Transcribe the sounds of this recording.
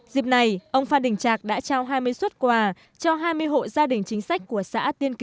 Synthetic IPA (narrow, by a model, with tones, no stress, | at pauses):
zi˨˩əp̚na˨˩jʔə˧wŋ͡mfaː˧nɗï˨˩ŋ̟t͡ɕaː˨˩k̚ɗa̰ː˧˥t͡ɕaː˧wɦaː˧jmɨ˧əjswə˦˥t̚kwaː˧˩ | t͡ɕɔ˧ɦaː˧jmɨ˧əjɦo̰˧˨zaː˧ɗï˨˩ŋ̟t͡ɕï˨˦ŋ̟sa˦˥k̟̚ku˧˩əsa̰ː˧˥t̪i˧ənk